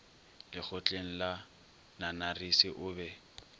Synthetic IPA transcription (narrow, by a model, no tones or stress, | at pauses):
lɪk͡xʰʊt͡ɬʼeŋ̩la | nanarisɪʔʊːbɛ